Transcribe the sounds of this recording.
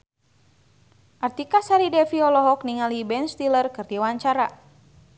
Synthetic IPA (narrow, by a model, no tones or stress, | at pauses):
ʔart̪ikasaɾidɛfiɔlɔɦɔkniŋalibɛnst̪ilərkɨrdiwaɲt͡ʃaɾa